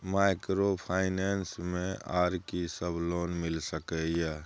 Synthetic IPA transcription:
maɪkɾopʰaɪnensmẽaːɾkisəbʱlonmilsəkɛja

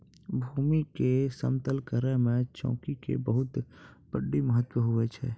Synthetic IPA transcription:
bʱuːmikesə̰mt̪əlkəɾẽmẽt͡ʃɔ̰̃ːkikḛbəɦʊt̪b̥əɖːiməɦət̪wəɦʊet͡ʃʰɛː

